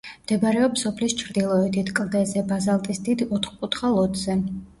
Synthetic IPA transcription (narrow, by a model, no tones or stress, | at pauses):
md̪̥ɛbaɾɛɔpsɔpʰlist͡ʃʰɾd̪ilˠɔɛd̪it̪ʰkʼld̪ɛzɛbazalˠt̪ʼisd̪id̪ɔt̪ʰχkʼut̪χalˠɔt̪ʰz̥ɛ